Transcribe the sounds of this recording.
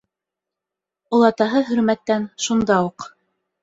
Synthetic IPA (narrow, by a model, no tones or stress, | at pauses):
ulˠɑt̪ɑɦɤɦɵ̆ɾmæt̪ːænʃund̪ɑuq